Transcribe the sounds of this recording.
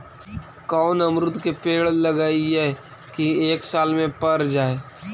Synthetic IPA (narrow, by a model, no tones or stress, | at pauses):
kɔːnɐmɾʊt̪kepeːɭlɐɡaːiɛː | kieːksaːlmẽpɐɾd͡ʒaːeː